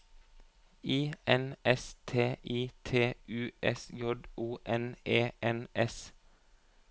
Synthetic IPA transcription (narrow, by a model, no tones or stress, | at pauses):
iːɛnɛst̪ʰeːʔiːt̪ʰeːʉːʔɛsjɔd̪uːʔɛneːʔɛnʔɛs